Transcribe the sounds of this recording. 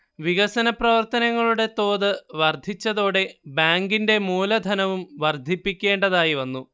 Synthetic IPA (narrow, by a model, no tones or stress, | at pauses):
ʋiɣɐsɐnɐprɐʋɐrt̪ɐnɐŋːɐɭuɽe̞t̪o̞ːðɨʋɐrd̪ʱit͡ɕːɐðo̞ːɽe̞baːŋɡinde̞muːlɐd̪ʱɐnɐʋumʋɐrd̪ʱipːikʲːe̞ːɳɖɐðaːjiʋɐnːu